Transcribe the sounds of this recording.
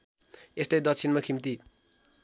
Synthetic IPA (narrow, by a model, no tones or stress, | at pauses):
est̪ʌjd̪ʌk̚t͡sʰinmakʰimt̪i